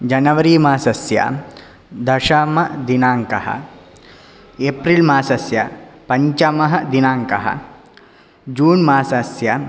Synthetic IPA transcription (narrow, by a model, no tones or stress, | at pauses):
d͡ʒɐnɐʋɐɾiːmaːsɐsjɐ̰ | d̪ɐʃamɐd̪inaːŋkɐɦɐ̰ | epɾilmaːsɐsjɐpɐɲt͡ʃɐmɐɦɐd̪inaːŋkɐɦɐ̰ | d͡ʒuːnmaːsɐsjɐ